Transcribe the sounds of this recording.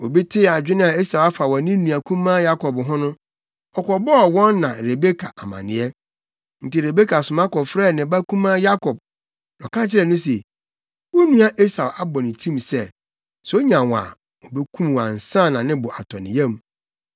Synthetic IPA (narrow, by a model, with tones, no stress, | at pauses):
o˨bi˦tʰɪ˦˨a˨d͡ʑᶣɪ˦nɪ̃˦a˨e˦sa˨wa˦fa˨wɔ̃˨˦nɪ̃˦nũ˨a˨kʰũ˦mã˦ja˦kɔ˨bɦʊ̃˦nʊ̃˦ | ɔ˨kɔ˨bɔ˦ɔ˨wɔ̃˦nːã˨ɾe˨be˦kʰa̰˨ʔa˨mã̰˨nɪ̃˨˦ɛ˦ | n̩˨tɪ˨ɾe˨be˦kʰa˨sʊ˨mã˦kɔ˨fɾɛ˦˨nɪ̃˨ba˦kʰũ˦mãː˦ja˦kʰɔ˨b̚ | nɔ̃˨kã˦t͡ɕʰɪ˦ɾɛ˨nʊ̃˦se˨ | wo˦nũ˦a˨ʔe˦sa˨wa˦bɔ˨nɪ̃˨tʰĩ˦m˨sɛ˦ | sɛ˨˦o˦ɲã˨wa̰˨ | ɔ˨bɛ˦kʰũ˦m˨wa̰˨n̩˨sã˦˨nã˨nɪ̃˦bʊ˨ʔa̰˨tʰɔ˨nɪ̰̃˨jɛ̃˦˨m˦